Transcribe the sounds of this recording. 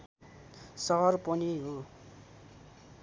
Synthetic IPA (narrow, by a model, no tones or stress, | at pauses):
sʌɦʌrpʌniɦo